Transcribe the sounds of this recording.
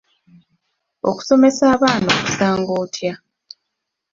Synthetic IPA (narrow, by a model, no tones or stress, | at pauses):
oku̥so̞me̞saːβaːnoːku̥saːŋɡoːtʰja